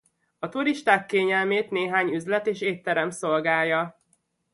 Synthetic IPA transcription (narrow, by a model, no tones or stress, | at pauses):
ɒt̪uɾiʃt̪aːkːeːɲɛlmeːt̪neːɦaːɲyzlɛt̪eːʃeːt̪ːɛɾɛmso̞lɡaːjjːɒ